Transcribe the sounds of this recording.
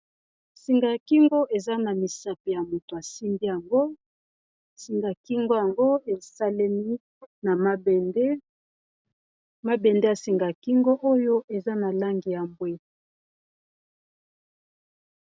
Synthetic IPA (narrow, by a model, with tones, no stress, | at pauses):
si˨ŋɡa˨ki˦ŋɡo˦ʔe˨za˦na˨mi˨sa˨pi˨ja˨mo˨to˨a˨si˦mbi˦ja˨ŋɡo˦ | si˨ŋɡa˨ki˦ŋɡo˦ja˨ŋɡo˦e˨sa˦le˦ni˦ | na˨ma˦bde˦ | ma˦be˨nde˦ja˨si˨ŋɡa˨ki˦ŋɡo˦ʔo˦jo˦ʔe˨za˦na˨la˦ŋɡi˨ja˨mbwe˦